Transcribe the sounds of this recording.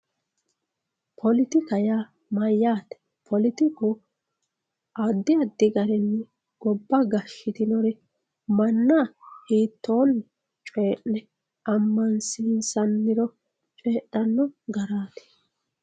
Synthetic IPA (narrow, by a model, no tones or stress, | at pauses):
pʰɔlɪt̪ɪkɐja | mɐjːaːt̪ɛ̥ | pʰɔlɪt̪ɪku | ʔɐd̪ːɪɐd̪ːɪɡɐɾɛnːɪ | ɡ̥ɔbːɐɡɐʃːɪt̪ɪnɔɾɛ | mɐnːahiːt̪ʰːoːnː | t͡ʃʼeːʔnɛ | ʔɐmːɐnsɪnsɐnːɪɾɔ | t͡ʃʼeːʔːɐnːɔɡɐɾaːt̪ɛ̥